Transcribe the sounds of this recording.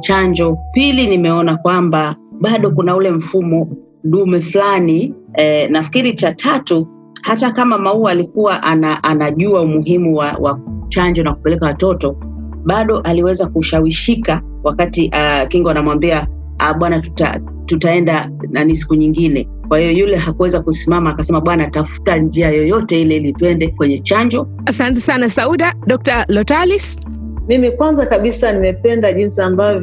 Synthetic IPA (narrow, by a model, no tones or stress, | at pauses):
t͡ʃaɲd͡ʒɔpilinimɛɔnakwambaɓaɗɔkunaulɛm̩fumɔ | ɗumɛflani | ɛnafkiɾit͡ʃatʰatu | hatakamamauaːlikuwaʔanaʔanaʄuaumuɦimuwawʔat͡ʃaɲd͡ʒɔnaku̥pɛlɛkawatɔtɔ | ɓaɗɔʔaliwɛzakuʃawiʃika | wakatiʔakiŋɡɔanamwambia | aɓwanatuta̰ | tutaɛnda | nanisi̥kuɲiŋɡinɛ | kwahijɔjulɛɦakuwɛzakusimamaːkasɛmaɓwanatafu̥tand͡ʒiajɔjɔtɛilɛilituɛndɛkwɛɲɛt͡ʃaɲd͡ʒɔ | asantɛsanasauɗaɗɔk̚talɔtalis | mimikwanzakaɓisanimɛpɛndaʄinsiamba